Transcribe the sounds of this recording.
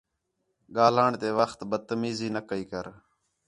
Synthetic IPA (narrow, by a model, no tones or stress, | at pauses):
ɠaːlaːɳt̪eːʋəxt̪bət̪əmiːziːnəkəiːkəɾ